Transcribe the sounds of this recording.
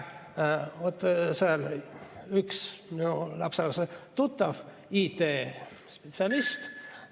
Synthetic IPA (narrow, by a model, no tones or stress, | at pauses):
ot̪ːseɑl | yksmiulɑpsɑlɑset̪ut̪ːɑv | iːt̪eː | spet̪siɑlist̪